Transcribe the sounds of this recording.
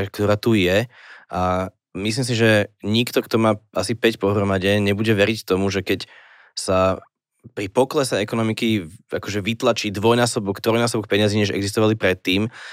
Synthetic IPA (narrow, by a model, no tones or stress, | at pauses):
kt̪ɔɾaːt̪ujɛʔa | mis̬lims̬iʒɛɲikt̪ɔkt̪ɔmaːasipɛcpɔɦɾɔmaɟɛɲɛbuɟɛʋɛɾict̪ɔmuʒɛkɛc | sa | pɾipɔklɛsɛɛkɔnɔmikiakɔʒɛʋit̪lat͡ʃiːd̪ʋɔjnaːsɔbɔkt̪ɾɔjnaːs̬ɔbɔk̚pɛɲaziɲɛʒɛ̰ɡzis̬t̪ɔʋalipɾɛt̪ːiːm